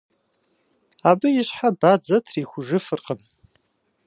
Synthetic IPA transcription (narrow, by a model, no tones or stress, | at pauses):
abɨiʃħabad͡zatʰriːχʷʊʐɨfɨrqʼən